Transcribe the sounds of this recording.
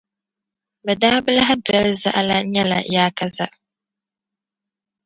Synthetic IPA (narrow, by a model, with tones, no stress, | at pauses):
bɛ˨daː˦bɨ˦la˦ɦa˦dɛ˦lɨ˦za̰˦ʔa˦la˦ɲɛ˦la̰˨jaː˦ka˦za˦ʔ